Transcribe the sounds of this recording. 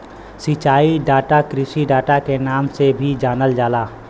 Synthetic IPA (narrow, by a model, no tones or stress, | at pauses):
sit͡ʃaːiɖaːʈakɾɪʃiɖaːʈakenaːmsebʱid͡ʒaːnəld͡ʒaːlaː